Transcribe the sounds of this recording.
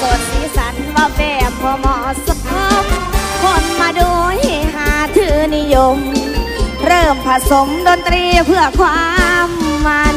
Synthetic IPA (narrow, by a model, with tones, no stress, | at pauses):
so˧˩nt̪ʰiː˧sʰa˨˦˥nbaː˧bɛː˧˩pʰːɔː˧mɔː˧˦sa˧pɤ˧˥mkʰo˧˩nmaː˧duː˧ɦaː˨˦t̪ʰɯː˨˦ni˧jo˧m | ɾɤː˧˩mpʰa˧so˨˦mdo˧nt̪ɾiː˧pʰɯ˧˩ɐkʰwaː˧mːaː˧n